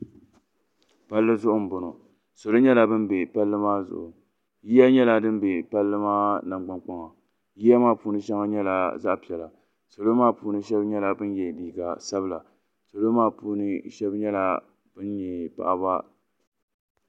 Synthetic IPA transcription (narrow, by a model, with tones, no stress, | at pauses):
pa˦lːɨ˦zʊ˦ʔʊ˦m̩˨bʊ˨nʊ˨ | so˨lo˦ɲɛ˦la˨bɨ˦nbe˨pa˦lːɨ˦maː˦zʊ̰˨ʔʊ˨ | ji˦ja˦ɲɛ˦la˨dɨ˦n˦be˨pa˦lːɨ˦maː˦na˨ŋ͡mɡ͡ba˦nk͡pa˦ŋa˨ | ji˦ja˦maː˦˨puː˦nɨ˦ʃɛ˦ŋa˦ɲɛ˦la˨za̰˦ʔpi˨ɛ˨la˨ | so˨lo˦maː˦˨puː˦nɨ˦ʃɛ˦bɲɛ˦la˨bɨ˦njɛ˨biː˨ɡa˨sa˦bɨ˦˨la˨ | so˨lo˦maː˦˨puː˦nɨ˦ʃɛ˦bɲɛ˦la˨ | b̥ɨ˦nɲɛ˨pa̰˨ʔa˨ba˦